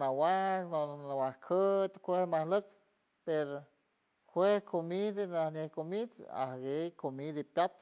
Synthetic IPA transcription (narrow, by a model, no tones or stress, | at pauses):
nawaknoawahkʰət̪ʲkʷehmahlɨk | peɾo | kʷehkʰomid̪anahnʲehkomid̪a̰hɡejkomid̪apʲjat̪